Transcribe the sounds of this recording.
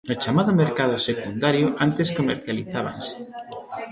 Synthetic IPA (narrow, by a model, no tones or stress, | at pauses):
not͡ʃamað̞omeɾkaðʊsekund̪aɾjoʔant̪eskomeɾθjaliθaβ̞a̰nse̥